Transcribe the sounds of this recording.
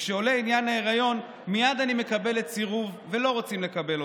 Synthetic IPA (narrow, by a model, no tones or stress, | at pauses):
ʃeo̞le̞injanhaeʁajo̞n | mijad̪anime̞kabe̞le̞tsiʁuvvelo̞ʁot͡simle̞kabe̞lo